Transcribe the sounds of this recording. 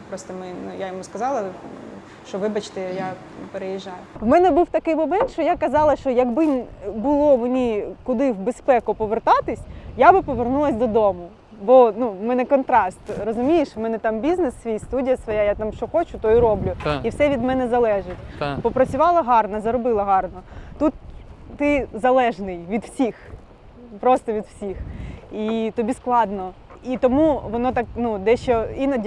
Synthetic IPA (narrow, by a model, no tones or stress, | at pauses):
pɾɔst̪ɐmɪnʊjajɔmuskɐzɑlˠɐ | ʃt͡ʃɔʋɪbɐt͡ʃt̪ɪja | peɾejiʒːajʊwmɛnɛbuwt̪ɐkɪjmɔmɛnt̪ʃt͡ʃɔjakɐzɑlˠɐʃt͡ʃɔjɐɡbɪbʊlˠɔmenʲikʊd̪ɪwbespɛkʊpɔʋert̪ɑt̪ɪsʲjabɪpɔʋernulˠɐsʲd̪ɔd̪ɔmʊ | bɔnumɛnɛkɔnt̪ɾɑst̪rɔzʊmʲijɪʃmɛnɛt̪ɑmbʲiznɪsʋʲijst̪udʲijɐsʋɔjajat̪ɑmʃt͡ʃɔxɔt͡ʃʊt̪ɔiɾɔblʲʊiwsɛʋʲid̪mɛnɛzɐlˠɛʒɪtʲpɔpɾɐt͡sʲʊʋɑlˠɐɦɑrnɐzɐɾɔbɪlˠɐɦɑrnɔt̪ut̪ːɪzɐlˠɛʒnɪjʋʲid̪wsʲix | pɾɔst̪ɔʋʲid̪wsʲixit̪ɔbʲisklˠɑd̪nɔ | it̪ɔmuʋɔnɔt̪ɑknud̪ɛʃt͡ʃɔinɐdʲ